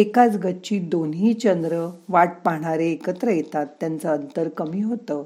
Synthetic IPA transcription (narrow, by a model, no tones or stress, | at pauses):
ekat͡sɡətːt͡ɕiːd̪onɦiːt͡ɕənd̪ɾəʋaʈ̚paɦɳ̃aɾeːkət̪ɾəjet̪at̪ːjant͡səːnt̪əɾkəmiːɦot̪əː